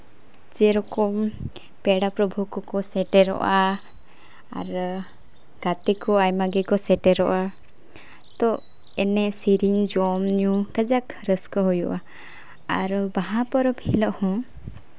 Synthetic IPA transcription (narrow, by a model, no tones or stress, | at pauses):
d͡ʒɛɾɔkɔm | pɛɽapɾɔbʱukkɔsɛʈɛɾɔ̰ʔa | ɾ | ɡ̥at̪ikɔajmaɡɛkɔsɛʈɛɾɔʔa | t̪ɔ | ɛnɛsiɾiɲd͡ʒɔmɲukad͡ʒakɾəskɔɦɔjuʔa | aɾbaɦapɔɾɔbʱilɔʔhɔ̃